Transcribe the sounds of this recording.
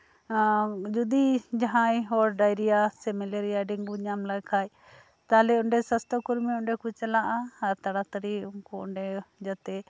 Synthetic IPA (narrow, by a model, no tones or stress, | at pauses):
d͡ʒud̪id͡ʒaɦãjɦɔɾɖajɾijasɛmɛleɾijaɖiŋbuɲamlajkʰaj | t̪alɛɔɳɖɛsəst̪ɔkuɾmiɔɳɖɛkut͡ʃɛlaʔaːɾt̪aɽat̪əɾiuŋkuɔ̰ɳɖɛd͡ʒat̪ɛ